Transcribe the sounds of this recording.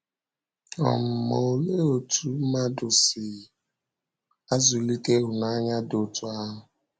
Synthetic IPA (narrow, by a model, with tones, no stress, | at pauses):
ɔ̰˨m̩˨mo˨o˨le˦o˨tu˨˦ma˦dʊ˨sɪ˨ | a˦zʊ˨li˦te˦ɦʊ˨na˦ɲa˦do˨tu˨a˦ɦʊ˨